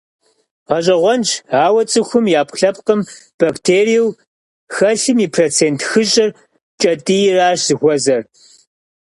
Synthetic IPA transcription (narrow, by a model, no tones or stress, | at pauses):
ʁɐɕʼɐʁʷɔnt͡ʃʰaːwɐt͡sʼɨxʷʊmjaːpɬɐp̚qəmb̥aːktʰeːrijiw | xɐɬɨmiːpʰroːt͡sʰeːntʰxɨɕʼɪr | t͡ʃʼɐtʼijɪraːɕzɨxʷɔzɐr